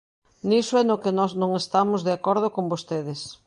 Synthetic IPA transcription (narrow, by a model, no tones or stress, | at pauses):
nisʊɛnʊkɪnɔznõŋest̪amʊzðeakɔɾðʊkombost̪eðɪs